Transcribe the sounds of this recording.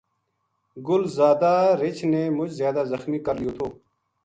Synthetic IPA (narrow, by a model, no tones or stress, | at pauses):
ɡʊlzaːd̪aːɾɪt͡ʃneːmʊt͡ʃzjaːd̪aːzəxmiːkəɾlijoːt̪ʰoː